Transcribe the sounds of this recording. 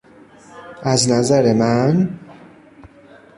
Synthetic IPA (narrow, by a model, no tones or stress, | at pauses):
ʔæznæzæɾemæn